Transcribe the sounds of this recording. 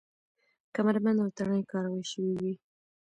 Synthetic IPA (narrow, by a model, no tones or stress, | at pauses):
kamaɾmanawt̪aɳəjkɑɾawəjʃəwiwi